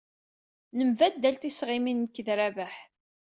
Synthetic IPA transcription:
nəmvæd̪ːælt̪isʁɪminːəkːðɾævæħ

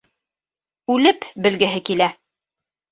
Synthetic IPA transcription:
ʉlɘpbɘ̆lɡɘ̆ɦɘkilæ

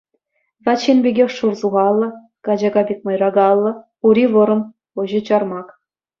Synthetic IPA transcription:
ʋɑt͡ɕːinbʲeɡʲexʂurzuʁɑlˠːɤ̆ | kɑd͡ʑɑɡɑbʲik̚ʲmɤ̆jrɑɡɑlˠːɤ̆ | uɾʲiʋɤ̆ɾɤ̆m | oʑɤ̆t͡ɕɑrmɑk

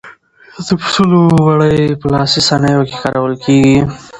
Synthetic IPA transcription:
d̪əpsulowaɽəjpəlɑsisanəjoke̥kɑɾawəlkʰeɡi

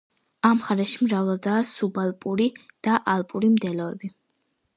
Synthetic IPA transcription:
amχaɾɛʃimɾavlˠad̪aːsubalˠpʼuɾid̪̥aʔalˠpʼuɾimd̪ɛlɔɛ̰bi

